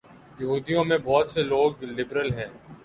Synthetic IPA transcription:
jɐɦuːd̪ijõmẽbɔːt̪seloːɡlɪbɾəlɦɛ̃ː

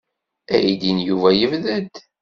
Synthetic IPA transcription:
æjid̪injuvæjəvðəd̪

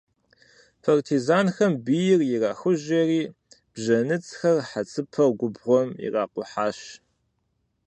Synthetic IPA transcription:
pʰartʰizaːnxɐmbijɪrjɪraːxʊʒeːriː | b̥ʑɐnɨt͡sʼxɐrħat͡sʰʼɨpʰɐɡʷʊbʁʷɔmḭraːqʷʊħaːɕ

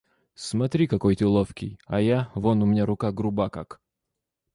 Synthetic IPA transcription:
smɐt̪ɾʲikɐkojt̪əlˠofkʲɪjɐjavonʊmʲɪnʲaɾʊkaɡɾʊbaka̰k

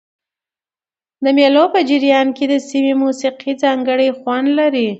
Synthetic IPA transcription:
d̪əmjelopəd͡ʒɪɾjɑnked̪əsimemusiqʰid͡zɑŋɡəɽəjxwand̪laɾi

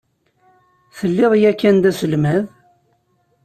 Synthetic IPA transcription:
θəlːɪðˤjækːænd̪æsəlmæð

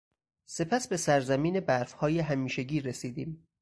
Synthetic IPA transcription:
se̞pʰæsbe̞sæɾzæmiːne̞bæɾfhɒːjeɦæmiːʃeɟiːɾesiːd̪iːm

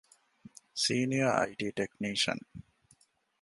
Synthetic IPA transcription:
siːniɐɐ̰jʈiːʈekniːʃɐ̰n

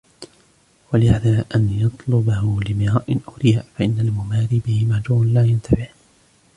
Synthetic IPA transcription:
walɪhaːd̪aːʔanjɑt̪ˤlʊbahʊlɪmɪɾɑːʔɪnʔʊwɾɪjaːʔfaʔɪnːalmʊmaːɾiːbɪhɪmaʕd͡ʒuːmanlaːjant̪ʰabɪħ

